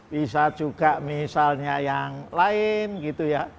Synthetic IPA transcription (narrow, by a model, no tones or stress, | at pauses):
bisad͡ʒ̥uɡ̥aʔmisalɲajaŋlaɪnɡit̪uja